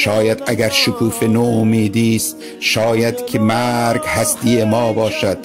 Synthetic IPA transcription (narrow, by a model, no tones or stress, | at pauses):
ʃɒːjæd̪æɡæɾʃʊkʰuːfenoːmiːd̪iːst̪ | ʃɒːjæd̪kʰemæːɾɡhæst̪ijemɒːbɒːʃæd̪̥